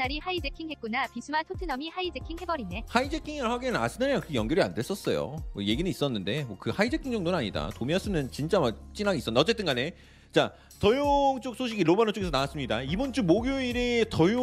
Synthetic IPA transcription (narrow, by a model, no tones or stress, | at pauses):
aɾihaid͡ʑe̞kʰiŋhe̞t̚k͈unapisʰumatʰotʰɯnʌmihaid͡ʑe̞kʰiŋɦe̞bʌɾinehaid͡ʑekʰiŋɯɭhaɡenna̰sʰɯnaɾaŋkɯɯkʰejʌŋɡjʌɾia̰nde̞ɭs͈ʌs͈ʌjo̰mʌje̞ɡinɯis͈ʌnːɯnde̞mwʌkɯhaid͡ʑe̞kʰiŋd͡ʑʌŋdonɯnaɲida̰tomiʌs͈ɯmʌnt͡ɕint͡ɕ͈amat͡ɕ͈inaɡis͈ʌndat͡ɕ͈e̞t͈ɯnɡane̞ | t͡ɕa | tʌjoŋt͡ɕ͈ok̚sʰoɕʰiɡiɾomanot͡ɕ͈oɡesʰʌnawas͈ɯmɲidaibʌnt͡ɕ͈umːoɡjoiɾetʌjo